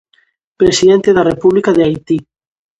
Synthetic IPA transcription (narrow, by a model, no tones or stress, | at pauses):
pɾesiðent̪eðarepuβlikaðeajt̪i